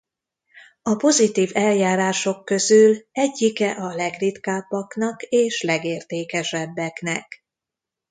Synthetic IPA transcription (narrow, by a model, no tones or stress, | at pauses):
ɒpo̞zit̪iːvɛljaːɾaːʃo̞kːø̞zylɛɟːikɛʔɒlɛɡrit̪kaːbːɒknɒkeːʃlɛɡeːrt̪eːkɛʃɛbːɛknɛk